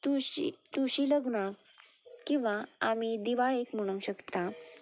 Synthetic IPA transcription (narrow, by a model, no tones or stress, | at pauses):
t̪uɕḭt̪uɕiləɡnak | kĩw̃ʋaamid̪iʋaɭekm̤əɽ̃ũŋɕəkt̪a